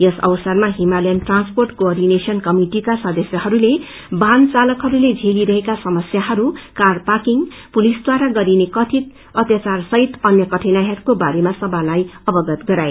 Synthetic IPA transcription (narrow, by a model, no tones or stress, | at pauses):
jʌsʌ̰wsʌrmaɦimalenʈransporʈkoʌrɖinesʌnkʌmiʈikasʌd̪ʌsjʌɦʌɾule | bʱant͡salʌkɦʌɾuled͡zʱeliɾʌɦekasʌmʌsjaɦʌɾukarpakiŋ | pulisd̪waɾaɡʌɾinekʌt̪ʰit̪̚ | ʌt̪jat͡sarsʌɦit̪ʌnjʌkʌʈʰinajɦʌɾukobaɾemasʌbalajʌbʌɡʌt̪ɡʌɾae